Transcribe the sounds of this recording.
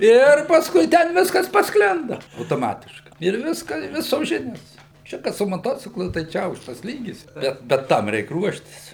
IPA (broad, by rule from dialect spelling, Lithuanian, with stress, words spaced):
ˈɪr pɐsˈkʊɪ tʲɛn ˈʋʲɪskɐs pɐsˈklʲɪndɐ ɐʊtoːˈmɑːtʲɪʃkɐɪ ɪr ˈʋʲɪskɑː ɪ ˈʋʲɪsoːs ˈʒʲɪnʲoːs ˈt͡ʃʲɛ kɐt sʊ moːˈtoːt͡sʲɪklˠʊ tɐɪ ˈt͡ʃʲɛ ˈɐʊkʃtɐs ˈlʲiːɡʲɪs ˈbʲɛt bʲɛt ˈtɐm ˈrʲɛɪk ˈruɔʃʲtʲɪs